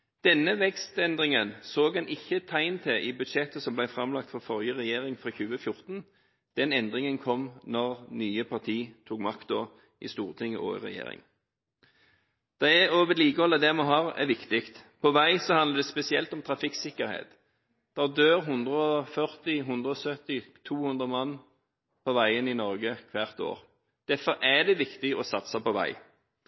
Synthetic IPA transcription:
d̪̥ɛnːəʋɛkst̪ɛnd̪ʁɪŋənsoːɡɛnɪçːət̪ʰæɪnt̪ʰɪʔɪbʉd̪ʃɛt̪ːəsɔmblæɪfɾɑmlɑkt̪fɔfɔʁjəʁɛjeːʁɪŋfɾɑːçʉːəfjʊʁt̪n | d̪̥ɛnɛnd̪ʁɪŋənkʰɔmnɔʁnyːəpʰɑʁt̪ʰiːt̪ʰuːkmɑkt̪̚d̪oː | ʔɪ̰st̪uːʁt̪ʰɪŋːəʔɔ̰ɪ̰ʁɛ̰jḛːɾɪ̰ŋ | d̪̥ɑæøːʋət̪liːkəɔlːəd̪ɛmɔɦɑːʁɛ̰ʋɪkt̪ɪkt̪pʰɔʋæɪsɔhɑnəʁd̪ɛspɛsɪɛ̰lt̪ɔmt̪ʰɾɑfɪksɪkːəɾhḛːt̪ | d̪̥ɛd̪øːʁɦʉnd̪ʁəɔfœʁt̪ɪɦʉnd̪ɾəɔsœt̪ɪt̪ʰuːhʉnd̪ʁəmɑnː | pʰɔʋæɪənɪnɔʁɡəkʰʋæʁt̪o̰ːʁ | d̪̥æfɔɾæd̪ɛʋɪkt̪ɪɔsɑt̪sɑpɔʋæ̰ɪ

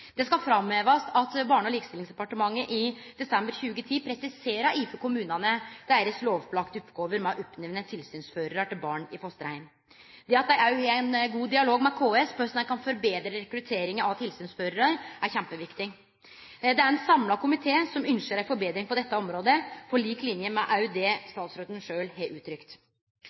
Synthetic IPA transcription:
d̪̥ɛskɑfɾɑmøːʋɑst̪ɑt̪bɑːɳɔliːkəst̪ɪlɪŋsd̪ɛpɑʈəmɑŋːəʔɪd̪̥ɛsɛmbəɾçʉːɡət̪ʰiːpʰɾɛsɪseːɾɑiːfəkʊmʉːnɑnəd̪̥æɾəsloːʋplɑkt̪ʉp̪ɡoːʋəɾmɛʔɔpnɛʋnət̪ʰɪlsyːnsføːɾəɾɑʈɪlbɑːɳɪfɔst̪əɾhæ̰ɪn | d̪ɛɑt̪d̪æɪɑʉhenɡuːd̪ɪɑloːɡmɛkʰoːɛspʰøsnækʰɑnfɔɾbeːd̪ɾəɾɛkɾʉt̪ʰeːɾɪŋəɑʋt̪ʰɪlsyːnsføːɾəɾɑɾæɾçæmpəʋɪkt̪ɪ | d̪ɛæɾɛnsɑmlɑkʰʊmɪt̪ʰeːsɔmʏnʃəɾæɾfɔɾbeːd̪ɾɪŋpʰɔd̪ɛt̪ːəɔmɾoːd̪əfɔɭiːklɪnjəmɛʔɑʉd̪ɛːst̪ɑːt̪sɾøːd̪ənʂøːlɦeːʉːt̪ʰɾʏkt̪

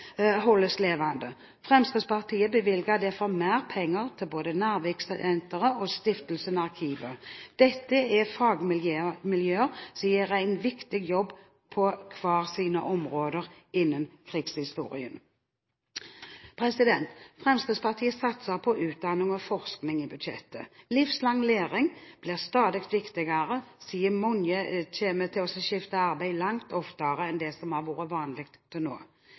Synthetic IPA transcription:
ɦɔlːəsleːʋɑnd̪ə | fʁɛmskid̪spɑʁt̪ʰiːəbəʋɪlɡɑd̪ɛfɔmæːʁpʰɛŋːəʁt̪ʰɪlboːd̪ənæːʁʋɛksd̪ɛnt̪əʁəɔːst̪ɪft̪l̩sənɑʁkʰiːʋəd̪̥ɛt̪ːəɛfɑːɡmɪlømɪljøːəʁsiːəʁæɪnʋɪkt̪ɪɡjɔbː | pʰɔkʰʋɑːʁsiːnəʔɔmʁoːd̪əʁ | ɪnːənkʰʁiːɡshɪst̪ṵːʁɪ̰ən | pʰɾɛsɪd̪ɛnt̪fʁɛmskɾɪd̪spɑʁt̪ʰiːəsɑt̪səpʰɔʔʉːt̪̚d̪ɑnɪŋɔfɔʁsknɪŋibʉd̪ʃɛ̰t̪ʰːə̰lɪfslɑŋːleːʁɪŋb̥liʁst̪ɑːd̪ɪkt̪ʋɪkt̪ɪɡɑʁəsiːəmʊnjət̪ʰeːmət̪ʰɪɔsɔɕɪft̪əɑʁbæɪlɑŋt̪ʰɔft̪əʁəɛnd̪ɛsɔmhɑːʁʋuːɾəʋɑːnlɪkt̪t̪ʰːɪno̰ː

